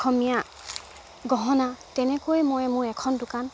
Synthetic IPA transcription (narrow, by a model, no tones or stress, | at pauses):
ɔmija | ɡɔɦɔnatɛnɛkojmɔjmʊɹɛkʰɔndʊkan